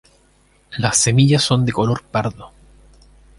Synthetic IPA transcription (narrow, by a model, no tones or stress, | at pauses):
lasːe̞miʝasːo̞nd̪eko̞lo̞ɾpaɾðo